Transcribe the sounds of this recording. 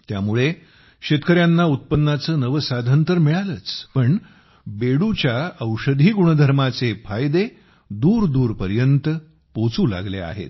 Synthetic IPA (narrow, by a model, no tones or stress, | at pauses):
t̪ja̰muɭe | ɕet̪kəɾjanːaut̪̚pənːat͡səːnəʋəsad̪ʱənt̪əɾmiɭaləːt͡spəɳ | beɽut͡ɕjaəwɕəd̪ʱiːɡuɳ̃əd̪ʱəɾmat͡sefʰajd̪e | d̪uːɾd̪uːɾpəɾjənt̪ə | pot͡suːla̰ɡlḛa̰ɦḛt̪